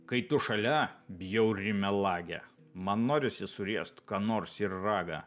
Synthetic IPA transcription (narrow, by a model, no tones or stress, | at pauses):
kɐɪt̪ʊʃɐlʲɛbʲjɛʊɾʲɪmʲɛlˠɑːɡʲɛ̰ | mɐnːoːɾʲɪsʲɪsʊɾʲiɛʃt̪kɑːnoːɾsɪɾːɑːɡɐ